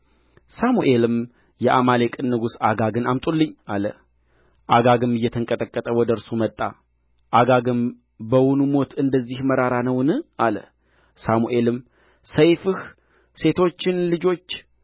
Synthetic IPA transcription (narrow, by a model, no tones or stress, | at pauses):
samuʔe̞lɨm | jɛʔamalekʼɨnːɨɡusaɡaɡɨnamt̪ʼulːɨɲːalə | ʔaɡaɡɨmɨjːɛt̪ʰəŋkʼət̪ʼəkʼːət̪ʼəwɔd̪əɨɾsumət̪ʼːa̰ | ʔaɡaɡɨm | bəwʊnumo̞t̪ɨnd̪əzːihməɾaɾanəwnɨʔalə̰ | samuʔe̞lɨm | səjfɨh | se̞t̪ʰo̞t͡ʃːɪnlɨd͡ʒo̞t͡ʃː